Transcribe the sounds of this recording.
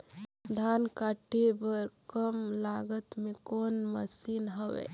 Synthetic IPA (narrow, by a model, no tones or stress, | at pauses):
d̪ʱaːnkaʈebəɾkəmlaɡət̪mẽkoːnmə̰sinɦəʋḛ